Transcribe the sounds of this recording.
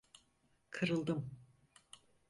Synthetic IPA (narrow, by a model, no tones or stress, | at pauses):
kʰɯɾɯlˠd̪ɯm